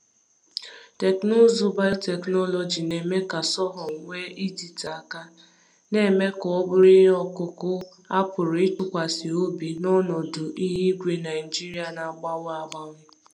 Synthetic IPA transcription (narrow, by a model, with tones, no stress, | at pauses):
te˨knʊ˦zu˦ba˦jte˨knɔ˦lɔ˨d͡ʒi˨ne˨me˦ka˨sɔ˦ɦɔ˨ŋ̩˨wʷe˦ʔi˦di˨ta˨ka˦ | ne˨˦me˦kɔ˨ɔ˦bʊ˦ɾi˦ɦe˦ɔ˦kʊ˦kʊ˦ | a˦pʊ˨ɾɪ˦tʊ˨kʷa˨si˨o˦bi˨nɔ˦nɔ˨dʊ˨ʔi˦ɦi˦ɡʷe˨na˨ɪ˨d͡ʒi˦ɾi˦a˨na˨ɡ͡ba˦wa˦ba˦m̩˦